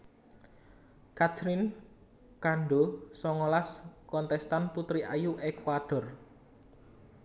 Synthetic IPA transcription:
kat͡ʃɾɪn | kaɳɖosɔŋolaskɔnt̪ɛst̪anput̪ɾiʔajuʔekwaɖ̥ɔ̤r

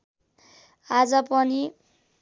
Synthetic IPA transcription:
ad͡zʌpʌni

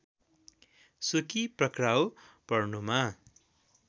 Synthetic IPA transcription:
sukiprʌkraw | pʌrnuma

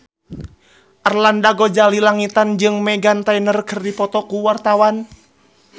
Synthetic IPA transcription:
ʔarlandaɡod͡ʒalilaŋit̪and͡ʒɨŋmɛɡant̪ainərkərdipɔt̪ɔkuwart̪awan

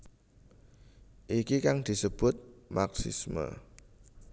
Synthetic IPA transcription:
ʔikikaŋd̪̥i̤səb̥ʊt̪̚maksḭsmə̰

